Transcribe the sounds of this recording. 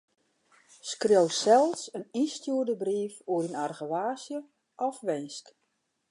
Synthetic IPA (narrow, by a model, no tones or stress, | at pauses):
skrewsɛlˠsəninstjuərdəbriːfuəɾinarɣəʋaːsjə | ʔɔfʋɪnsk